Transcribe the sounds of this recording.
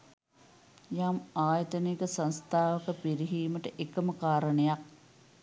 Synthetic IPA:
jamaːjət̪ənikəsanst̪ʰaːʋəkəpiɾiɦiːməʈəʔekəməkaːɾəɳɐjak̚

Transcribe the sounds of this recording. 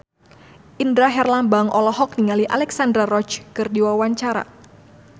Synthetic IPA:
ʔindɾaɦɛrlambaŋʔɔlɔɦɔk̚niŋaliʔalɛksandɾarɔt͡ʃkɨrdiwawaɲt͡ʃaɾa̰

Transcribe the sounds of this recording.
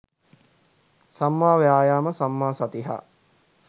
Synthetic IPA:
samːaːʋeaːjaːməsamːaːsɐt̪iɦa̰

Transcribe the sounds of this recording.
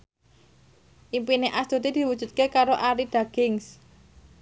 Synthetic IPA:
ʔimpineʔasd̪ot̪id̪̥i̤wud̥ʒ̥ṳt̪̚kekaɾoʔaɾid̪̥aɡ̥ɪŋs

